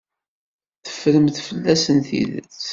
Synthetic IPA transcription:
θə̥fːɾəmθfəlːæsənθḭl

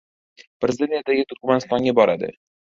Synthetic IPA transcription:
pɾezɪd̪eijad̪aɡʲɪt̪ʰʊɾkmanɪst̪ɒŋɡʲabɒɾad̪ɪ̰

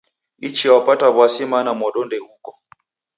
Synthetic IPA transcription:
it͡ʃiawapataβwasimanamɔɗɔndɛhukɔ

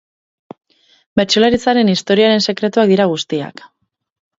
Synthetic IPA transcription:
be̞ɾt͡ʃolaɾit͡saɾe̞nist̪o̞ɾiaɾe̞nse̞kɾe̞t̪uak̚d̪iɾaɣ̞ust̪ia̰k

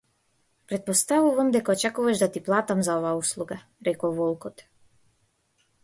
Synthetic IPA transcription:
pɾɛt̪̚post̪avuvamd̪ɛkaot͡ʃakuvaʒd̪at̪iplˠaːt̪amzaovaːuslˠuɡa | ɾɛkɔvɔlˠkɔt̪

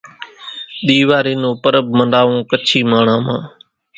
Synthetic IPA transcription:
ɗ̪iːʋaːɾiːnõːpəɾəb̚məɳɖaːʋõːkət͡ʃʰiːmaːɳ̤ãːmãː

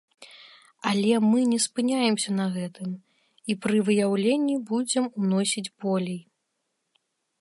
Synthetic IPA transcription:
ɐlʲɛmɨnʲɛspɨnʲajɛmsʲɐnɐɣɛt̪ɨm | ipɾɨvɨjawlʲenʲːibud͡zʲɛmunɔsʲid͡zʲbɔlʲɛj

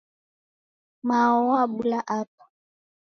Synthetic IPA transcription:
maɔwabulaʔapḁ

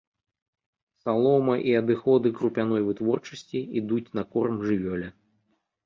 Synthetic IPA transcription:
salˠɔmɐʔiɐd̪ɨxɔd̪ɨkɾupʲanɔjvɨt̪vɔrt͡ʂɐsʲt͡sʲiid̪ut͡sʲnɐkɔrmʐɨvʲɔlʲɐ

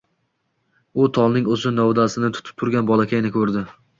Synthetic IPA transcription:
ʊt̪ʰɒlˠnɪŋozɪnɒwd̪asɪnɪt̪ʰʊ̥t̪ʰɪ̥p̚t̪ʰʊɾɡʲanbɒlˠakʲajɪnɪkʰɵɾd̪ɪ

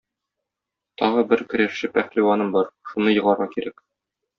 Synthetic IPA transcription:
t̪ʰɒʁɤbɘɾkɵ̆ɾæʃːɘpæχliwɑnɤmbɒɾʃunɤjɤ̆ʁɑɾʁɑkiɾæk

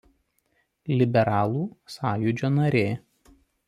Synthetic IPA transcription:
lʲɪbʲɛɾɑːlˠuːsɑːjʊd͡ʒʲoːnɐɾʲeː

